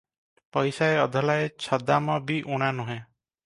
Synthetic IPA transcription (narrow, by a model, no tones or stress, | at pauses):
pɔjsaeɔd̪ʱɔlaet͡ʃʰɔd̪amɔbiʔuɽ̃anuɦẽ